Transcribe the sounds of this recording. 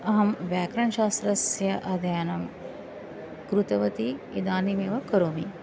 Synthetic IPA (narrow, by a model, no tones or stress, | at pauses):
ɐɦɐmʋæːkɾɐnʃaːst̪ɾɐsjəʔɐd̪ɐjanɐm | kɾut̪ɐʋət̪ied̪aːnimeːʋɐkəɾumi